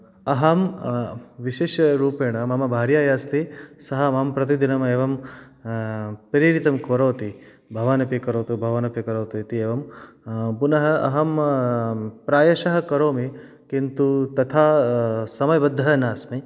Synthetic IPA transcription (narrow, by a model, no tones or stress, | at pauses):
ɐɦɐm | ʋiʃeːʃɐɾuːpeːɳɐmɐmɐbʱaːɾjaːjaːst̪isɐɦɐmaːmpɾɐt̪̬id̪inɐmeːʋɐm | pɐɾiɾit̪ɐmkʋɐɾoːt̪i | bʱɐʋaːnɐpikɐɾoːt̪ubʱɐʋaːnɐpikɐɾoːt̪uit̪ieːʋɐm | punɐɦɐɐ̰ɦɐm | pɾaːjɐʃɐɦɐ̆kɐɾoːmi | kint̪ut̪ɐt̪ʰaːsɐmɐjɐbɐd̪ʱːɐɦɐnaːsmi